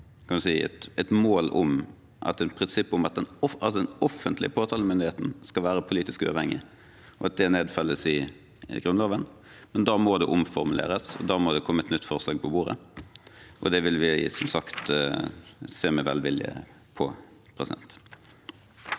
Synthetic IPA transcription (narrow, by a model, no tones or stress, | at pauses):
kʰɑnʋʉsiːɛ̰t̪ɛt̪moːlʊm | ʔɑ̰t̪ɛnpʰɾɪnsɪpːʊmɑt̪̚d̪ɛnɔɑt̪̚d̪ɛnɔfːənt̪lɪ̰əpʰoːt̪ʰɑːləmʏnd̪ɪheːt̪n̩skɑlʋæːɾəpʰʊliːt̪ɪskʉ̰ɑ̰ʋhɛŋːɪ̰ | ɔɑt̪̚d̪ɛneːd̪fɑlːəsɪ | ɡɾʉnloːʋən | mɛnd̪ɑːmɔd̪ɛʔʊmfɔɾmʉlḛːɾəsɔ̰d̪ɑːmɔd̪ɛkʰɔmːəɛt̪nʏt̪ːfɔʁslɑːɡ̚pʰɔbuːɾə̰ | ʔɔ̰d̪ɛʋɪlʋɪsɔmsɑkt̪ | seːmɛʋɛ̰lʋɪljə̰ | pʰɔ | pʰʁɛsɪd̪ɛ̰nt̪